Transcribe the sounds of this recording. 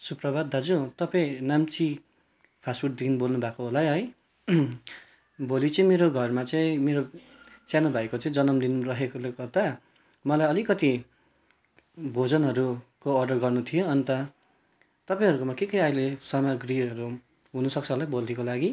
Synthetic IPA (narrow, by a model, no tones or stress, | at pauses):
suprʌbad̪ad͡zut̪ʌpaĩnamt͡si | pʰasfuʈd̪inbolnubʱakoɦolajɦʌj | bolit͡sʌĩmeɾoɡʱʌrmat͡sʌĩmeɾo | sjanobʱajkot͡sʌĩd͡zʌnʌmd̪inrʌɦekolkʌrd̪a | mʌlajʌlikʌt̪i | bʱod͡zʌnɦʌɾukoʌrɖʌrɡʌrnut̪ʰijoʌnt̪ʌ | t̪ʌpãĩɦʌɾukomʌkekʌjajlesʌmʌɡriʌɾu | ɦunʌsʌk̚t͡sʰʌɦolajbold̪ikolaɡi